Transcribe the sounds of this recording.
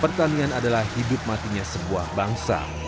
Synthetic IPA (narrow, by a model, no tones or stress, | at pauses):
pərt̪anianadalahhidʊp̚mat̪iɲasəbuahbaŋsa̰